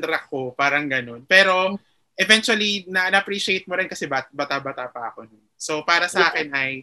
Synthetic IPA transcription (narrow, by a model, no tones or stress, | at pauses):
d̪ɾɐkːopaːɾɐŋɡɐno̞npɛːɾo̞ | ʔɛvɛ̃nt͡ʃʊɐlinɐʔnɐpɾiːʃɪejt̪̚moɾɪnkɐsɛbat̪bɐt̪abɐt̪aːpɐʔɐkononsopaːɾɐsɐʔaːkɪnɐj